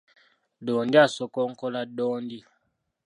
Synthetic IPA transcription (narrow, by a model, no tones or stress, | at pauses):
ɗɔːndiasɔkɔŋkɔlaɗɔːndi